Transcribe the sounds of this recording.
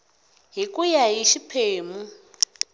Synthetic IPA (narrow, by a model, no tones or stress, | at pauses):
ɦikʼujajiʃipʰeːmu